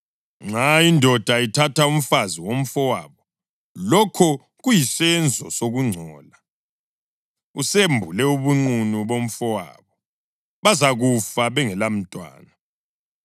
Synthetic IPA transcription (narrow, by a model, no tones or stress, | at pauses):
ŋ͡ǁaindʱɔd̥ʱaitʰatʰaum̩faziwom̩fɔwaːβɔ | lɔkʰɔ | ɣujisɛnd͡zʱɔ̰soɣuŋ͡ǀʱɔːla | usembʱulɛuβuŋ͡ǀunuβom̩fɔwa̰ːβɔ | βazaɣufaβɛŋɛlam̩tʼwa̰ːna